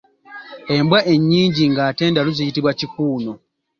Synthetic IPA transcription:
e̞mbwaʔe̞ɲːiːɲɟiŋɡaːte̞ːndaluzijitiβwacikuːno̞

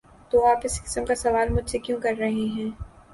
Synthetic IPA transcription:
t̪oːaːpɪskɪ̥səmkasɐʋaːlmʊd͡ʒʱsekjũːkɐɾːɐɦeɦɛ̃ː

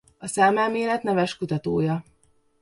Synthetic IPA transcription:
ɒsaːmaːmeːlɛt̪nɛvɛʃkut̪ɒt̪oːjɒ

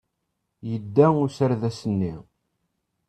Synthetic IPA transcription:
jəd̪ːæʊsəɾðæsənːi

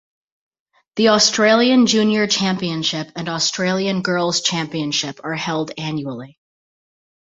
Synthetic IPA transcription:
ðiɔstɹ̥eɪlˠiɨ̃nd͡ʒʉ̃njə˞t͡ʃʰæ̃mpiɨ̃nʃɪpɨ̃nɔstʰɹ̥eɪlˠiɨ̃nɡɜ˞lˠz̥t͡ʃʰæ̃mpiɨ̃nʃɪpʰə˞hɛlˠdæ̃njul̩ˠi

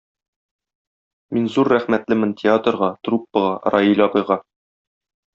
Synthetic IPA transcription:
minzuɾːæχmæt̪lɘmɘntʲʰɪat̪ə̆ɾʁɑt̪rupːɤ̆ʁɑɾʔɑjilʲɑbɤ̆jʁɑ

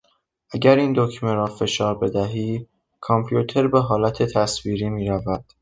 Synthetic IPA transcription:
ʔæɟæɾiːnd̪ocʰmeɾɒːfe̞ʃɒːɾbe̞d̪æɦiː | kʰɒmpʰjuːt̪ʰe̞ɾbeɦɒːlæt̪ʰet̪ʰæsviːɾiːmiːɾævæd̪̥

